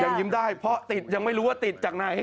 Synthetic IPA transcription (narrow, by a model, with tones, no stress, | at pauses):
ja˧˩ŋji˦˥mdaː˥˩jpʰɾɔ˦˥t̪i˨˩t̪̚ja˧ŋma˥˩jɾuː˦waː˥˩t̪i˨˩t̪̚t͡ɕaː˨˩k̚na˨˩j